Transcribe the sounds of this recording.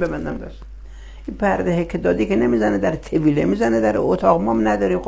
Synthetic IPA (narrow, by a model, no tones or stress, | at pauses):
bebænd̪æmd̪ɒʃ | ipʰæɾd̪ehekʰːed̪ɒːd̪ikʰʲenemizæned̪æɾt̪ʰeviːlemizæned̪æɾot̪ʰɒːɣmɒmnæd̪ɒːɾiːmxo